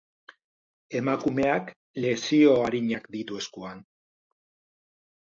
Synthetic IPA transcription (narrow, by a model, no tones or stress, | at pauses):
e̞makume̞ak | le̞sio̞aɾiɲakd̪it̪ue̞skuan